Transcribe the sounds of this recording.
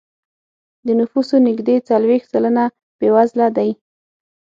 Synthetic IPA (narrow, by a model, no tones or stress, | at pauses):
d̪ənʊfusonɪɡd̪et͡salwext̪saləna | b̥ewazlad̪aj